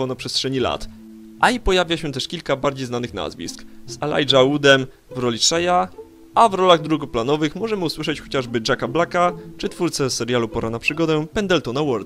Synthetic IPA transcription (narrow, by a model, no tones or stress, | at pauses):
ɔnapʂɛst̪ʂɛɲila̰t̪ | ʔaipɔjavʲjaɕɛt̪ɛʂkʲilkabaɾd͡ʑejznanɘxna̰zvʲḭskzɛla̰jʐaud̪ɛm | vɾɔlʲiʂɛja | avɾɔlaɣd̪ɾuɡɔplanɔvɘxmɔʐɛmɘuswɘʂɛt͡ɕxɔt͡ɕaʐbɘd͡ʐakablakat͡ʂɘt̪fuɾt̪sɛsɛɾʲjalupɔɾanapʂɘɡɔd̪ɛpɛnd̪ɛlt̪ɔnawɔɾd̪